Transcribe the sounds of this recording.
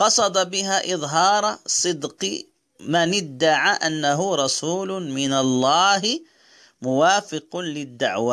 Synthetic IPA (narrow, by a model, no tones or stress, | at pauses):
qɑsˤɑd̪ˤɑbɪɦaʔɪðˤɦɑːɾˤɑsˤɨd̪q | manɪd̪ːaʕaʔanːaɦʊɾˤɑsuːlʊmɪnalˤːɑːɦ | mʊwaːfɪqnlɪd̪ːaʕwa